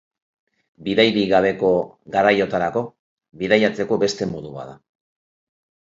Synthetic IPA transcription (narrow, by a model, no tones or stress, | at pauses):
biðajβiɣaβe̞ko̞ | ɣaɾajo̞t̪aɾako̞ | βiðajat͡se̞ko̞βe̞st̪e̞moðuβa̰ða